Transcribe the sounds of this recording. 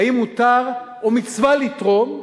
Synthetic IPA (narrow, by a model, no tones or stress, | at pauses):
imːut̪aʁ | omit͡svalit̪ʁom